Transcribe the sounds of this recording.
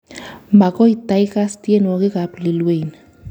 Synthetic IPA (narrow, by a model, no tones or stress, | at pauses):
makojt̪ajkast̪jenokekaplilwejn